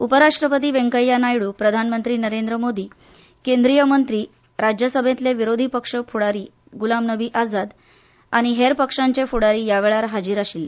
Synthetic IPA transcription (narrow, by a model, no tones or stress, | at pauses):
upəɾaʂʈɾəpət̪̬iːʋeŋkəjːanajɭuːpɾəd̪ʱanmənt̪ɾiːnəɾend̪ɾəmod̪ʱiː | kend̪ɾijəmənt̪ɾiː | ɾad͡ʑjəsəbʱẽt̪leʋiɾod̪ʱipəkʂəfʰuɽaɾiː | ɡulamnəbʱiːʔad͡zad̪ | aɽ̃iɦeɾpəkʂaɲt͡ɕefʰuɽaɾiːjaʋeɭaɾɦad͡ʑiːɾaɕilːe